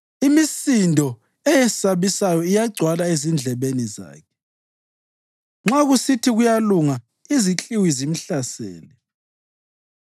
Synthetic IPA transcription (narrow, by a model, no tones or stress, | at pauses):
imisindʱɔ | ɛjɛsaβisajɔijaɡ͡ǀʱwalaezind͡ɮʱɛβeniza̰ːkʰɛ̥ | ŋ͡ǁaɣusitʰiɣujaluŋa | izit͡ɬʼiwizim̩ɬasḛːni